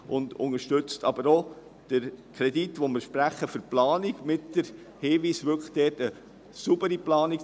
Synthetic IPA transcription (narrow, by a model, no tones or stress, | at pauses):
ʔʊndʊ̰ŋəɾʃtʏt͡stɑbəɾo | d̥əɾkʰɾɛditʋomɪɾʃpɾæχːəfəɾplɑːniɡmɪtd̥əɾ | hɪːʋiːsʋʏkχd̥ɛːtə | subəɾiplɑːnik